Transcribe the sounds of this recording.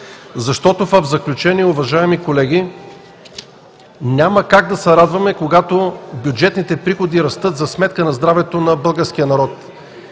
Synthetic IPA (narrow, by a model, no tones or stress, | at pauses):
zɐʃt̪ɔt̪ofɐvzɐklʲut͡ʃɛniɛʊvɐʒaɛmikolɛɡʲi | nʲaməkaɡ̚d̪ɐsɛɾad̪vɐmɛkoɡat̪obʲjud͡ʒɛt̪nit̪ɛpɾixod̪iɾɐst̪ɤt̪zɐsmɛt̪̚kənɐzd̪ɾavɛt̪onɐbɤlˠɡəɾsk̟ijənɐɾɔt̪